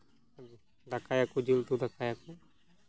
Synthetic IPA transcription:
bi | d̪akajakud͡ʒilt̪ud̪akajaku

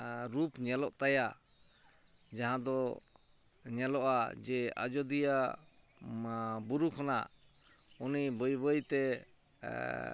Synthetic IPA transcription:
ɾupɲɛlɔʔt̪aja | d͡ʒaɦãd̪ɔ | ɲɛlɔʔad͡ʒɛa̰d͡ʒɔd̪ija | buɾukʰɔnaʔ | unibəjbəjt̪ɛ

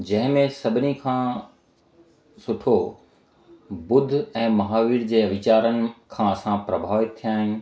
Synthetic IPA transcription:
d͡ʑɐ̃ɦɪ̃mẽsɐbʱɪnikʰãː | sʊʈʰo | bʊd̪ʱɛ̃ːmɐɦaːʋiːɾd͡ʑeːɐʋɪt͡ɕaːɾənɪ̆kʰãːɐsãpɾɐbʱaːʋɪt̪t̪ʰːijaːɦɪn̆

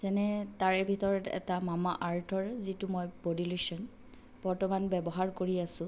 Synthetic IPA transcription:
zɛnɛtaɹɛbʱitɔɹɔtɛ̰tamamaʔaɹtʰɔɹzitʊmɔjbodilesɔn | b̥ɔɹtɔmanbɛbɔɦaɹkoɹiasʊ̃

